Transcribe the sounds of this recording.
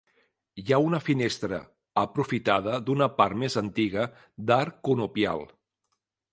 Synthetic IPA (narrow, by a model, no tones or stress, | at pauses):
jaunəfinest̪ɾə̰ | əpɾufit̪að̞əd̪unəpaɾrt̪mezənt̪iɣə | d̪aɾkunupia̰lˠ